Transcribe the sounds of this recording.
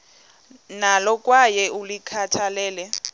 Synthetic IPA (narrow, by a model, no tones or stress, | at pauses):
nalɔkʼwajɛulikʰatʰalɛːlɛ